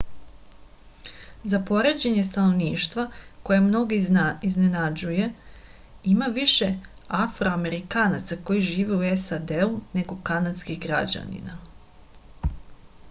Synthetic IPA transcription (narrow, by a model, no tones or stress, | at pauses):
zapo̞ɾe̞d͡ʑe̞ɲe̞st̪ano̞ʋniːʃt̪ʋako̞jemno̞ɡiiznenad͡ʑuje̞ | imaʋiʃe̞afɾoame̞ɾikaːnat̪sako̞jiʒiːʋeuesad̪eune̞ɡo̞kanad̪skixɡɾa̰d͡ʑa̰nḭna